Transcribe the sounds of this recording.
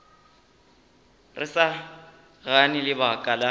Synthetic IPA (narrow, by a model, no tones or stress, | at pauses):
rɪsa | ɣanɪlɪbakʼala